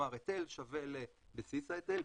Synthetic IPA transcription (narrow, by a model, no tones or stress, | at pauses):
aʁet̪elʃavele | besisaet̪el